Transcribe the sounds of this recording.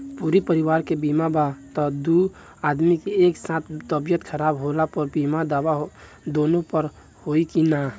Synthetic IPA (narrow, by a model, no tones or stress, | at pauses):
puːɾipəɾɪwaːɾkebiːmabat̪ɔd̪u | aːd̪mikieːksãːt̪ʰt̪əbjət̪kʰəɾaːbɦoːlapɔɾbiːmad̪aːwaɦ | d̪oːnõpəɾ | hoːikinaː